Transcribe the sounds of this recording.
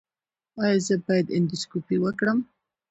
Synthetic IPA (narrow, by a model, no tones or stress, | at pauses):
ɑjɑzəbɑjad̪ɪnd̪iskopiwəkɽəm